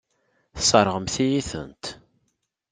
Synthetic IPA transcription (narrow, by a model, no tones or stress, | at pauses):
θsˤəɾˤʁəmθijiθə̰nt̪